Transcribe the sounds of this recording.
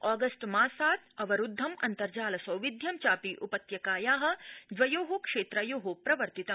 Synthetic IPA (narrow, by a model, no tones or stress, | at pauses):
aːɡɐsʈmaːsaːt̪̚ʰɐʋɐɾud̪ʱːɐmɐ̰nt̪ɐɾd͡ʒaːlɐsɐwʋid̪ʱjɐmt͡ʃaːpiʔupɐt̪jɐkaːjaːɦɐ̆d̪ʋɐjoːɦukʂeːt̪ɾɐjoːɦopɾɐʋɐɾt̪it̪ɐm